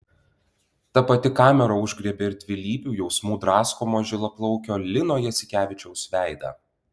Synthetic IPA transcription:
t̪ɐpɐt̪ʲɪkɑːmʲɛɾɐʊʒʲɡɾʲɛbʲeːɪɾt̪ʲʋʲɪlʲiːbʲuːjɛʊsmuːd̪ɾɑːskoːmoʒʲɪlˠɐplˠɔʊkʲoːlʲɪnoːjɛsʲɪkʲæːʋʲɪt͡ʃʲɛʊsʋʲæˑɪd̪ɐ̰

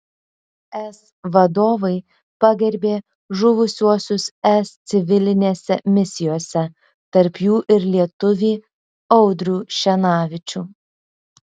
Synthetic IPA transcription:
ɛs | ʋɐd̪oːʋɐɪ | pɑɡʲɛɾʲbʲeː | ʒʊʋʊsʲuɔsʲʊsɛst̪sʲɪʋʲɪlʲɪnʲeːsʲɛmʲɪsʲɪjoːsʲɛ | t̪ɐɾpjuːʔɪɾlʲiɛt̪ʊʋʲiː | ɒʊd̪ʲɾʲuːʃʲɛnɑːʋʲɪt͡ʃʲuː

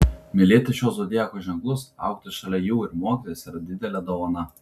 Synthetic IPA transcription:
mʲɪlʲeːt̪ɐʃʲoːsoːd̪ʲɪjæːkoːʒʲɛŋklˠʊsɑ̰ʊk̚t̪ɪsʃɐlʲɛjuːɪɾmoɔːkʲɪt̪oːɪsiɾɐd̪ʲɪd̪ʲɛlʲɛd̪oːʋɐnɐ

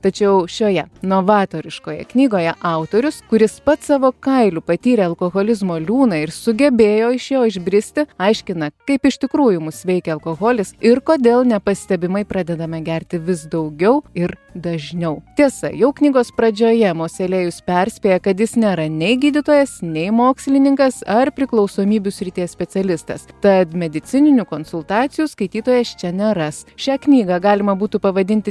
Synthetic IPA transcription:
t̪ɐt͡ʃʲɛʊʃʲoːjɛnoʋɑːt̪oːɾʲɪʃkoːjɛ̰knʲiːɡoːjɛʔɑʊt̪oːɾʲʊskʊɾʲɪspɐt̪sɑːʋoːkɐɪlʲuːpɐt̪ʲiːɾʲɛɐlˠkoːɣoːlʲɪzmoːlʲuːnɐɪɾsʊɡʲɛbʲeːjoːɪʃjoːɪʒʲbʲɾʲɪsʲt̪ʲɪɐɪʃʲkʲɪnɐkɐɪpɪʃʲt̪ʲɪkɾuːjʊmʊsʋʲɛɪkʲɛɐlˠkoːɣoːlʲɪsɪrkoːd̪ʲeːlˠnʲɛpɐsʲt̪ʲɛbʲɪmɐɪpɾɑːd̪ʲɛd̪ɐmʲɐɡʲæɾʲt̪ʲɪʋʲɪsd̪ɐʊɡʲɛʊɪɾd̪ɐʒʲnʲɛʊt̪ʲiɛsɐ̰jɛʊknʲiːɡoːspɾɐd͡ʒʲoːjɛmoːsʲɛlʲeːjʊspʲɛɾʲsʲpʲeːjɛkɐt̪jɪsnʲeːɾɐnʲɛɪɡʲiːd̪ʲɪt̪oːjɛsnʲɛɪmoːksʲlʲɪnʲɪŋkɐsɐrpʲɾʲɪklˠɒʊsoːmʲiːbʲʊsʲɾʲɪt̪ʲeːssʲpʲɛt̪t͡s̪ʲɛlʲɪst̪ɐ̰st̪ɐt̪mʲɛd̪ʲɪt̪sʲɪnʲɪnʲʊkoːnsʊlˠt̪ɑːt̪sʲɪjuːskɐɪt̪ʲiːt̪oːjɛst͡ʃʲɛnʲɛɾɐsʃʲæːknʲiːɡɑɡɑːlʲɪmɐbuːt̪upɐʋɐd̪ʲɪnʲt̪ʲɪ

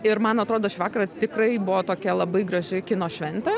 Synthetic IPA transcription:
ɪɾmɐnɐt̪ɾoːd̪oːʃʲɪʋɑːkɐɾɐt̪ʲɪkrɐɪbʊʋoːt̪oːkʲɛlˠɐbɐɪɡɾɐʒʲɪkʲɪnoːʃʲʋʲɛnʲt̪ʲɛ

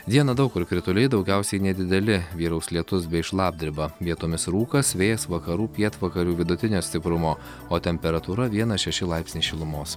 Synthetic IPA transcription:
d̪ʲiɛnɐd̪ɐʊkʊɾkɾʲɪt̪ʊlʲɛɪd̪ɒʊɡʲɛʊsʲɛɪnʲɛd̪ʲɪd̪ʲɛlʲɪʋʲiːɾɒʊslʲiɛt̪ʊsbʲɛɪɪʃlˠɑːb̚ʲd̪ʲɪɾʲbɐʋʲiɛt̪oːmʲɪsɾuːkɐsʋʲeːjɛsʋɐkɐɾuːpʲiɛt̪ʋɐkɐɾʲuːʋʲɪd̪ʊt̪ʲɪnʲoːsʲt̪ʲɪpɾʊmoː | oːt̪ʲɛmʲpʲɛɾɐt̪uːɾɐʋʲiɛnɐʃʲɛʃʲɪlˠɑɪpʲsʲnʲiːʃʲɪlˠʊmoːs

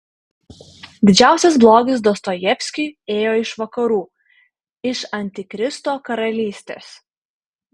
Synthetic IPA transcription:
d̪ʲɪd͡ʒʲæˑʊsʲɛs̬blˠoːɡʲɪs̬d̪ost̪ojɛpʲsʲkʲyːeːjoːɪʃʋɐkɐɾuː | ɪʃɐnʲt̪ʲɪkɾʲɪst̪oːkɐɾɐlʲiːsʲt̪ʲḛːs

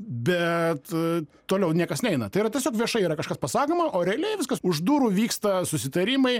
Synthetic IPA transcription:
bʲɛt̪t̪oːlʲɛʊnʲiɛkɐsnʲɛɛɪnɐt̪ɐɪiɾɐtʲɛsʲoːkʋʲiɛʃɐɪiːɾɐkɐʃkɐspɐsɑːkoːmɐʔoːɾʲɛɐlʲɛɪʋʲɪskɐsʊʒd̪uːɾuʋʲiːkst̪ɐsʊsʲɪt̪ɐɾʲɪmɐɪ

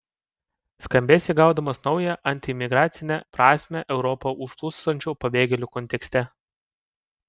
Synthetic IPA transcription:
skɐmʲbʲeːsʲiɡɑʊd̪ɐmɐsnɒʊjɛʔɐnʲt̪ʲɪmʲɪɡɾɑːt̪sʲɪnʲɛpɾɑːsʲmʲɛʔɛʊɾɔpɐʔʊʃplˠʊsɐnʲt͡ʃʲoːpɐbʲeːɡʲɛlʲuːkɔnʲt̪ʲɛksʲt̪ʲɛ

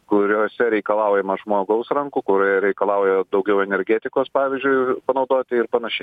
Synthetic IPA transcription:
kʊɾʲoːsʲɛɾʲɛɪkɐlˠɑʊjɛmɐʒmoːɡɐʊsɾɐŋkuːkʊɾʲoːjɛɾʲɛɪkɐlˠɑˑʊjɛd̪ɐʊɡʲɛʊɛnʲɛɾʲɡʲæːt̪ʲɪkoːspɑːʋʲɪzʲd͡ʒʲʊɪpɐnɐʊd̪oːt̪ʲɪɪrpɐnɐʃʲɛɪ

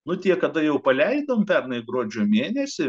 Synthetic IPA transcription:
nʊt̪ʲiɛkɐd̪ɐjɛʊpɐlʲɛɪd̪ɐmpʲɛrnɐɪɡɾoːd͡ʒʲoːmʲeːnʲɛsʲɪ

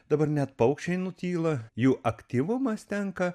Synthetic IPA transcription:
d̪ɐbɐɾnʲɛt̪pɐʊkʃʲt͡ʃʲɛɪnʊt̪ʲiːlˠɐjuːʔɐkt̪ʲiʋʊmɐst̪ʲɛŋkɐ

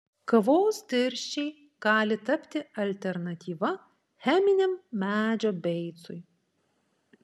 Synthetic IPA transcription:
kɐʋoːsd̪ʲɪɾʲʃʲt͡ʃʲɛɪ | ɡ̥ɑːlʲɪt̪ɐpʲt̪ʲɪɐlʲt̪ʲɛɾnɐt̪ʲiːʋɐ | xʲæːmʲɪnʲɛmːʲæːd͡ʒʲoːbʲɛɪt̪sʊj

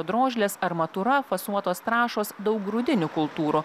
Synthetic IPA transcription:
od̪ɾoːʒʲlʲeːsɐɾmɐt̪uɾɐfɐsuɔt̪oːst̪ɾɑːʃoːsd̪ɒʊk̚ɡɾʊd̪ʲɪnʲʊkʊlˠt̪uːɾu

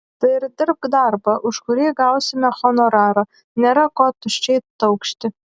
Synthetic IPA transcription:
d̪̥ɐjrd̪ɪrb̚kd̪arbɐʔʊʃkʊɾiːɡawsʲɪmʲɛχɔnɔɾaːɾɐ | nʲɛɾɐkʷɔt̪ːʊʃʲt͡ʃejt̪tːɐwkʃt̪ʲɪ

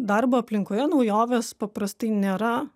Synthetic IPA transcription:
d̪ɐɾboːɐpʲlʲɪŋkoːjɛnɐʊjoːʋʲeːspɐpɾɐst̪ɐɪnʲeːɾɐ

